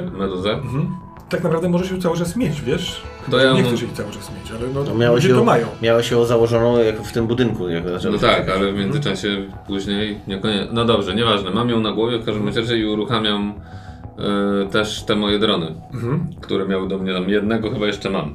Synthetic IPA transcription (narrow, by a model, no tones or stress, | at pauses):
mɛd̪uzɛ | t̪aknapɾavd̪ɛmɔʐɛʃɛt̪sawɘt͡ʂasmʲjet͡ɕvʲjɛʂ | t̪ɔjaɲɛk̪uʂ̬jɛt̪sawɘt͡ʂasmʲjet͡ɕalɛnɔnmʲjawɛɔmajɔ̃w̃mʲjawaɕɛɔzawɔʐɔnɔ̃w̃jakft̪ɘmbud̪ɘŋkujakzat͡ʃɛnɔt̪akalɛvmʲjɛnd̪zɘt͡ʂaɕɛpuʑɲejɲɛkɔɲɛnɔd̪ɔbʐɛɲɛvaʐnɛmamjɔ̃w̃naɡwɔvʲjɛfkaʐd̪ɛmɛt͡ɕɛʐɛiuɾuxamʲjam | t̪ɛʂt̪ɛmɔjɛd̪ɾɔnɘ | kt̪uɾɛmjawd̪ɔmɲɛt̪amjɛd̪nɛɡɔxɘbajɛʂt͡ʂɛma̰m